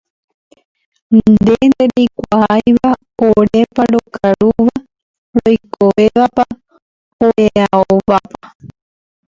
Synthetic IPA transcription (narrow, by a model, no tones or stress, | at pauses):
nnd̪end̪eɾejkʷaajʋa | oɾepaɾokʰaɾuʋa | ɾojkʰoʋeʋapa | oeaoβapa